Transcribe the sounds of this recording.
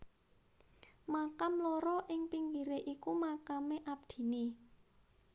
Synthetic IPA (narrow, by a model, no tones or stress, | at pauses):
makamloɾɔʔɪŋpiŋɡiɾeʔikumakameʔab̚d̪̥i̤ni